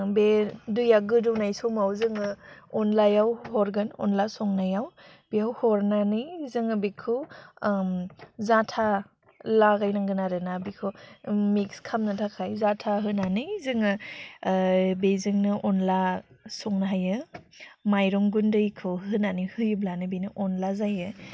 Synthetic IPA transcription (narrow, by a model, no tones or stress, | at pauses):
bedujaɡɯdɯwnajsɔmawzɯŋɯɔnlajawhɔɾɡɯnɔ̰nlasɔŋnajaw | b̥iawhɔɾnanizɯŋɯbikʰɯ | zatʰa | laɡajnaŋɡɯnaɾɯnabikʰɯmikskʰamnatʰakʰajzatʰaɦɯnanɯjzɯŋɯ | bezɯŋnɯʔɔnlasɔŋnaɦajɯ | majɾɔŋɡundɯjkʰɯhɯnanihɯjblanɯbinɯʔɔnlazajɯ